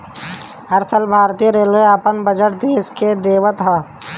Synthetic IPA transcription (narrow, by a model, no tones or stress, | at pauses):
əɾsəlbʱaːɾt̪iːjəɾeːleəpənbəd͡ʒəʈ̚d̪eːsked̪eːʋət̪ɦə